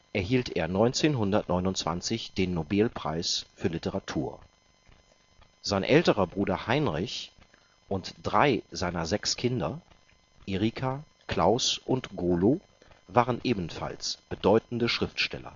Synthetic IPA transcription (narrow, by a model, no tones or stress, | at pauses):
ʔɛɐɦiːltʰʔeːɐnɔʏnt͡seːnɦʊndɐtnɔʏnʊntt͡sv̥a̰nt͡sɪçd̥eːnːobɛlpʁ̥a̰ɪsfyːɐlɪtəʁatʰuːɐ | z̥aɪnʔɛltəʁɐbʁuːdɐhaɪnʁɪç | ʔʊntd̥ʁaɪzaɪnɐzɛkskʰɪndɐ | ʔeʁiːkʰa | kl̥aʊsʔʊntɡ̥oːloː | vaːʁənʔeːbn̩fa̰lsb̥ədɔʏtn̩dəʃʁ̥ɪftʃtɛ̰lɐ̰